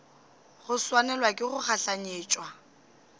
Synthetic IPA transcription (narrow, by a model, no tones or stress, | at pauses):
ɣʊswanɛlwakʼɪχʊχaɬaɲeːt͡ʃʼwa